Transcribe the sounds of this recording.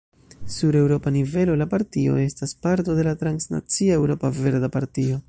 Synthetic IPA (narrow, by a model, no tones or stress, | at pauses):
suɾe̞wɾo̞panive̞lo̞lapaɾtio̞̰e̞staspaɾto̞de̞latɾansna̰t͡siae̞wɾo̞pave̞ɾd̪apaɾtio̞